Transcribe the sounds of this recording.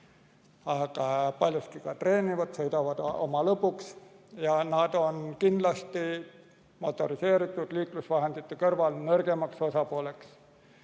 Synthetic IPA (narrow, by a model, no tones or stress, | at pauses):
ɑkɑpɑlʲjoskikɑt̪re̞ːnivɑt̪sejt̪oʋɑd̪o̰mɑlɤpuksjɑnɑːd̪̥o̞nkind̪̥lɑst̪i | mo̞t̪ːˑo̞ɾise̞ːɾit̪ːˑud̪̥liːklusʋɑɦe̞nd̪it̪ːˑukɤrvɑlnørɡ̥emɑkso̞sɑpuole̞ks